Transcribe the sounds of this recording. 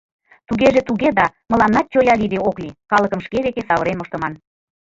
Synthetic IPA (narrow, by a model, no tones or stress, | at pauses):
t̪uɣeʒet̪uɣed̪ɑmə̆lɑnːɑt̪̚t͡ɕojɑlid̪eoklikɑləkə̆mʃkeβek̪esɑβəɾenmoʃt̪ə̆mɑn